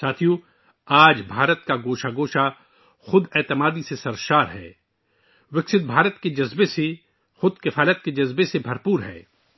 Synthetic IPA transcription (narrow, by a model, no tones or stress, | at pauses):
saːt̪ʰijũ | aːd͡ʒbʱaːɾət̪̚kaɡoːʃaɡoːʃa | xʊd̪ɛːt̪ɪmaːd̪isesɐɾʃaːɾɦɛ̰ː | wɪksɪt̪̚bʱaːɾət̪ked͡ʒɐzbese | xʊd̪kɪfaːlət̪̚ked͡ʒɐzbesebʱɐɾpuːɾɦɛ̰ː